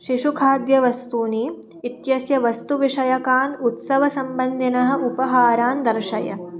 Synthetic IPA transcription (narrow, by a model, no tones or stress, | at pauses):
ʃiʃukʰaːd̪jɐʋɐst̪uːniː | it̪jɐsjɐʋɐst̪uʋiʂɐjɐkaːnut̪sɐʋɐsɐmbɐnd̪ʱinɐɦɐ̆ʔupɐɦaːɾaːnd̪ɐɾʃɐjɐ̰